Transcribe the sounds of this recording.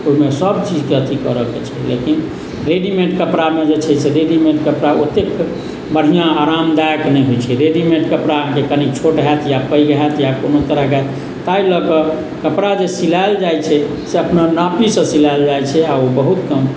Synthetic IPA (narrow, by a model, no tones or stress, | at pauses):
oimesəbt͡ʃid͡ʒkeət̪ikəɾəket͡ʃʰɛlḛkin | ɾeɖimẽɳʈkəpɾamed͡ʒet͡ʃʰɛseɾeɖimẽɳʈ̚kəpɾaot̪ek | bəɽ̤ijãaɾamd̪ajknɛjɦojt͡ʃʰɛɾeɖimẽɳʈkəpɾaəɦãkekənikt͡ʃʰoʈɦat̪japəjɡɦɛt̪jakonot̪əɾəɦɡat̪ | t̪ailəkə | kəpɾad͡ʒesilaeld͡ʒajt͡ʃʰɛ | seəpnanapisə̃silald͡ʒajt͡ʃʰɛaobəɦut̪kəm